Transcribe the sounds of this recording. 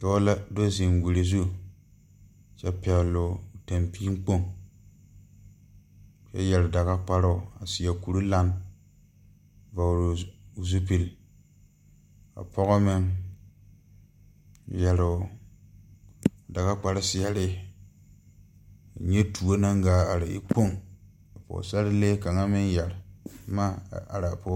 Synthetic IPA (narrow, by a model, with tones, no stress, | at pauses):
tɔ˦la˦do˦zi˨nwi˨ɾi˨zu˦ | sɛ˦pɛ˨lʊ˨ta˨mpi˦ŋ˦k͡po˦ŋ | sɛ̰˦jɛ˨lɪ˨da˨ɣa˦k͡pa˦ɾʊ˦˨a˨sɪ˨a˨ku˨ɾu˦la˦n | va˨ɾʊ˨zu˦pi˨l | a̰˨pʰɔ˦ɣɔ˦mɪ˦ŋ˨ | jɛ˨lʊ˨ | da˨ɡa˦k͡pa˦ɾɪ˦sɪ˨a˦ɾɪ˦ | a̰˨ɲe˦tʰu˨o˦na˦ŋɡaː˨˦a˨ɾɪ̰˨ḭ˦k͡po˦ŋ | a˨pɔ̰˨sa˦ɾɪ˦leː˦ka˨ŋa˦mɪ˦njɛ˨lma˦a̰˨ɾa˨po˦